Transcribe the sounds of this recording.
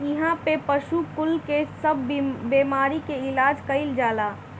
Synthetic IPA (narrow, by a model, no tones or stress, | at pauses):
ɪɦãpepəʃukʊlkesəbʱbeːmaːɾikeɪlaːd͡ʒkəɪld͡ʒaːlaː